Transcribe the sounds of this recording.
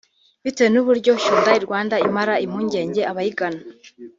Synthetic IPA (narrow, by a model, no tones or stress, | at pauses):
βitejenuβuɾɟo̞ʃuːndaiɾɡwaːndaimaɾaim̥huːɲɟe̞ːɲɟe̞aβahiɡana